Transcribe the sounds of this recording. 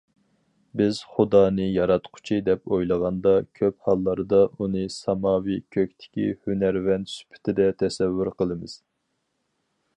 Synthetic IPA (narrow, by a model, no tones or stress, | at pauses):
bɪz̥χʊd̪ɑːnɨjɑɾɑt̪qʰʊ̥t͡ʃʰid̪ɛpojlˠəʁɑnd̪ɑkʲʰøphɑlˠːɑɾɨd̪ɑunɨsɑmɑːwikʲʰøkʲt̪ʰɪ̥kʲihynæɾvɛnt̪sy̥pʰɪ̥t̪ʰɪd̪ɛt̪ʰɛsɛvːyɾqəlˠɨmɨz̥